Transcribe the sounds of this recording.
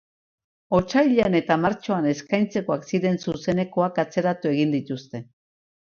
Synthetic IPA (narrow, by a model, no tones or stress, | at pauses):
o̞t͡ʃajʎeane̞t̪amaɾt͡ʃoane̞skajnt͡se̞koaksiɾe̞nsuse̞ne̞koakat͡se̞ɾat̪ue̞ɣind̪it̪ust̪e̞